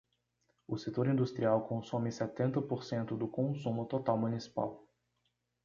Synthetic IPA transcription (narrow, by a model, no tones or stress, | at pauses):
ʊset̪oɾĩnd̪ust̪ɾiawkõsõmiset̪ẽnt̪ɐpoɾsẽnt̪ʊd̪ʊkõsumʊt̪ot̪awmunisi̥pa̰w